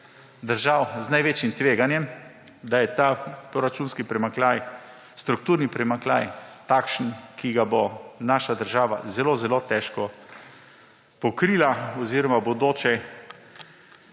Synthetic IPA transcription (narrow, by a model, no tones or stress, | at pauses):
d̪əɾʒawznajʋeːt͡ʃjimt̪ʋeːɡanjɛm | d̪ajɛt̪apɾoɾat͡ʃuːnskipɾɛmaklaj | st̪ɾuk̚t̪uːɾnipɾɛmaklajt̪akʃənkʰiɡabonaːʃad̪əɾʒaːʋa̰zɛloːzɛlot̪ɛʃkɔ | pɔkɾilaɔziːɾɔmabod̪oːt͡ʃɛ